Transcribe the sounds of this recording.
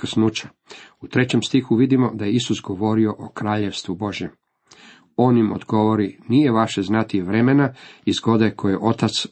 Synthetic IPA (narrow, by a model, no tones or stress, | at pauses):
ksnuːt͡ɕḁ | ut̪ɾe̞t͡ɕe̞mst̪ixuʋid̪imo̞d̪ajeisusɡo̞ʋo̞ɾio̞ʔokɾaːʎe̞ʋst̪ʋubo̞ʒje̞m | o̞ːnimo̰d̪ɡo̞ʋo̞ɾinije̞ʋaʃe̞znat̪iʋɾe̞menaizɡo̞d̪akʰojeʔo̞t̪at̪s